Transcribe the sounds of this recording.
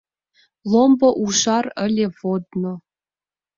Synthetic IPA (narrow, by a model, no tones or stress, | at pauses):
lˠomboʔuʃɑrəlʲevod̪no